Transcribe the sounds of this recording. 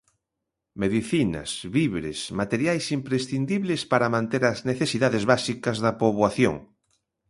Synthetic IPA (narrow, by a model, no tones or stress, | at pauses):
meðiθinɐ̰sβiβɾḛsmat̪eɾjajsimpɾesθind̪iβlespaɾɐmãnt̪eɾɐzneθesiðaðezβasikɐzðɐpoβwaθjo̰ŋ